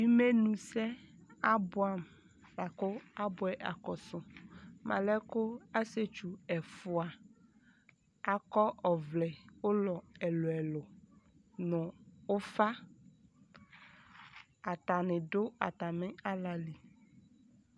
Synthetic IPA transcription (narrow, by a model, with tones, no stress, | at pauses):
bi˦me˦nũ˨sɛ˦a˦bʊ˨a˨m | la˨ko˦a˦bʊ˦ɛ˨ʔa̰˨kɔ˨sʊ˨mʔã̰˨lɛ˦kʊ˦a˦se˦t͡ʃu˨ɛ˨fʊ˨a˨ | a˨kɔ˦ɔ˨vlɛ˨wo˦lɔ˨ɛ˨lo˨ɛ˨lʊ˨ | nʊ̃˨o˦fa˦ | a˨t̪a˨nɪ˨ɖo˦a̰˨t̪a˨mɪ˦a˦la˨li˨